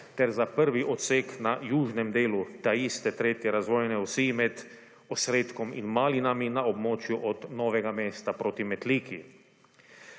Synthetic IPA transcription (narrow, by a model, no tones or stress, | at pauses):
t̪ɛɾzapəɾʋiʔɔt̪seknajuːʒnɛmd̪eːlut̪aist̪ɛt̪ɾeːt̪jɛɾazʋoːjnɛusimɛd̪ | osɾeːt̪kɔmḭnmaːlinaminaobmɔːt͡ʃjuʔɔd̪nɔːʋɛɡameːst̪apɾoːt̪imɛt̪liːkʰi